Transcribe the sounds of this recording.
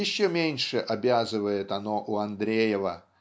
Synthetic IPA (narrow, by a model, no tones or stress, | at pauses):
ɪɕːomʲenʲʂɨʔabʲazɨvəjɪt̪ɐnoʔuɐnd̪ɾʲejɪvə